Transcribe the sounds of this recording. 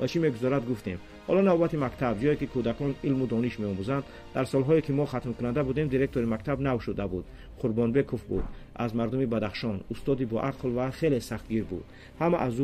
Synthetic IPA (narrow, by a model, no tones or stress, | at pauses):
vat͡ʃʰime̞ɡuzɔɾad̪ɡuft̪em | hɔlɔnavbat̪imakt̪ʰabd͡ʒɔjekikʰud̪akɔnilmud̪ɔniʃme̞ɔmuzand̪ːaɾsɔlɦɔikʰimɔχat̪mkʰunand̪abud̪e̞md̪iɾe̞k̚t̪ʰoɾimakt̪ʰabnavʃud̪abud̪ | qʰuɾbɔnbe̞kʰɔfbṵd̪a̰zmaɾd̪umibad̪aχʃɔnust̪ɔd̪ibɔʔaqʰlvaχe̞lesaχt̪ɡiɾbṵd̪ | hamaʔazu